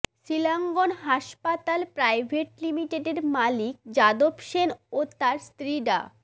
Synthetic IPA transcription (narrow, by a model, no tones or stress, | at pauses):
ʃilaŋɡonɦaʃpat̪alpɾajbʱeʈlimiʈeɖeɖmalik̚d͡ʑad̪obʃenot̪aɾst̪ɾiɖa̰